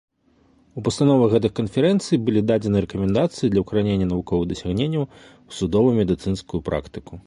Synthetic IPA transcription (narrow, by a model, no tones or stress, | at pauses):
upɐst̪anɔvɐɣɣɛt̪̬ɨxkɐnfʲɛɾɛnt̪sɨjibɨlʲid̪ad͡zʲɛnɨɾɛkɐmʲɛnd̪at̪sɨjid̪lʲɐwkɐɾanʲenʲːɐnɐvukɔvɨɣd̪ɐsʲaɣnʲenʲːɐw | w̥sud̪ɔvujumʲɛd̪ɨt̪sɨnskujupɾa̰kt̪ɨku